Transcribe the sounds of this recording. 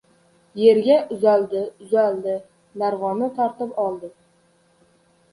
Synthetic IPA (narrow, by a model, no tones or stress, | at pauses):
je̞ɾɡʲaʔʊzald̪ɪʊzald̪ɪ | naɾʁɒnɪt̪ʰɒɾt̪ɪpɒlˠd̪ɪ